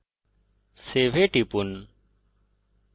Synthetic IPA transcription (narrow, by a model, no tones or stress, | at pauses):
seːʋeːʈipun